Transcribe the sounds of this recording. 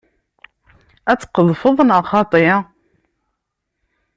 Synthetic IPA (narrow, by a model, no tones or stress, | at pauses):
æt͡sːqəðˤfəðˤnəʁχɑt̪ˤi